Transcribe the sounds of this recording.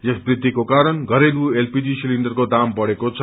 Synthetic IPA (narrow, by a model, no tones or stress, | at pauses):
jʌsbrid̪ʱːikokaɾʌnɡʌɾeluelpid͡zisilindʌrkod̪ambʌɽekot͡sʰ